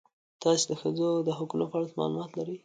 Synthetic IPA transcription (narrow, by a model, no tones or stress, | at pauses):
t̪ɑsed̪əxəd͡zod̪əɦʊkunopəaɽat̪mɑ̰lumɑt̪laɾəj